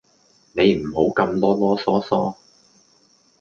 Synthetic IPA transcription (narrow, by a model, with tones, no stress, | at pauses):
ne˨˧jm̩˨˩ho˨˥wkɐ˧mt̪ɔː˥t̪ɔː˥sɔː˥sɔː˥